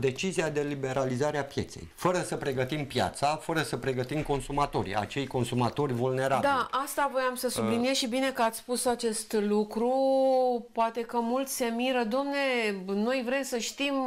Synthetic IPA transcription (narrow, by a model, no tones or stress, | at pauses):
d̪e̞t͡ʃiziad̪e̞libe̞ɾalizaɾeapje̞̰t̪se̞̰jfəɾəsəpɾe̞ɡət̪impja̰t̪safəɾəsəpɾe̞ɡət̪imko̞nsumat̪o̞ɾḭa̰t͡ʃejko̞nsumat̪o̞rʲvulne̞ɾabd̪ialʔast̪avo̞jamsəsublinijesʃibine̞kəat̪sʲspusat͡ʃe̞st̪lukɾu | ppoat̪e̞kəmult̪se̞miɾəd̪amne̞no̞jvɾe̞msəʃt̪im